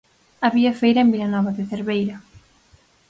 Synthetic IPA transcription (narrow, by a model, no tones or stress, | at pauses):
aβiɐfejɾɐembilanɔβaðɪθeɾβejɾɐ